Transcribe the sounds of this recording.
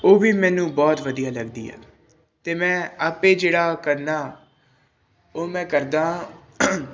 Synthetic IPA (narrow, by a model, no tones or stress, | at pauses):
oːbiːmɛ̃ːnũːbɔːt̪ʋəd̪ijaːləɡd̪ḭːɛ̰ː | t̪eːmɛ̃ːaːpẽːd͡ʒeːɽaːkəɾnaː | oːmɛ̃ːkəɾd̪ãː